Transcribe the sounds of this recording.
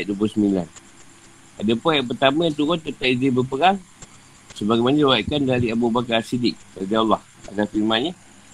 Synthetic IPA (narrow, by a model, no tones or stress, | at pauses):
ʔ̚duop̬ʊsəmila̰n | adəpujaʔp̬ərt̪amə̃ət̪̬ukɔnt̪ət̪aʔizinbəpəɾaŋ | səbaɡajmanəuwaiʔkandaɾiabubakaɾasidɪk̚adialːɔh | a̰dafimãɲə